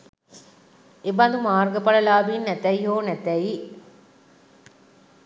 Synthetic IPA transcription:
ebɐnd̪umaːrɡɐpɐlɐlaːbiːnːɛt̪ɛiɦoːnɛt̪ɛi

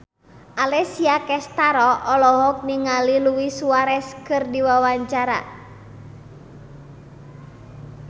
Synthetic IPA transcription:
ʔalɛsiakɛst̪aɾɔɔlɔɦɔk̚niŋaliluwisuaɾɛskɨrdiwawaɲt͡ʃaɾa̰

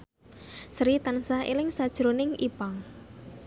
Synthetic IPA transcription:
sɾit̪ansaʔḛlɪŋsad̥ʒ̥ɾonɪŋipaŋ

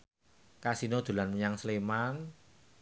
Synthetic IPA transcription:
kasinod̪̥ṳlanməɲaŋsleman

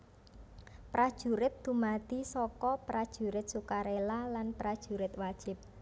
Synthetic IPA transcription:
pɾad̥ʒ̥ṳɾɪt̪̚d̪̥ṳmat̪isɔkɔpɾad̥ʒ̥ṳɾɪt̪̚sukaɾelalanpɾad̥ʒ̥ṳɾɪt̪̚wad̥ʒ̥ɪ̤p̚

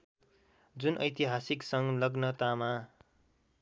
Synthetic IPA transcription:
d͡zunʔʌjt̪iɦasiksʌŋlʌɡnʌt̪ama

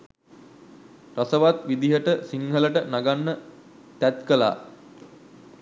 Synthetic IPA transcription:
rasəʋat̪ʋid̪iɦəʈəsiŋɦələʈənaɡanːə | t̪æt̪kəla̰ː

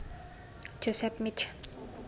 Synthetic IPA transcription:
d͡ʒosɛpmit͡ʃ

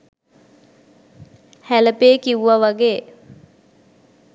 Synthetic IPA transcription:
hæləpeːkiʋuʋaʋaɡeː

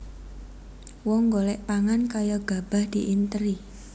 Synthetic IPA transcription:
wɔŋɡolɛʔpaŋankajɔɡ̥a̤b̥a̤hd̪̥iʔint̪əɾi

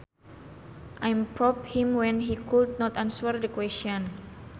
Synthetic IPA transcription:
ʔajmpɾɔphimwɛ̃nɦikud̚nɔt̪answɛrdəkwɛst͡ʃɔn

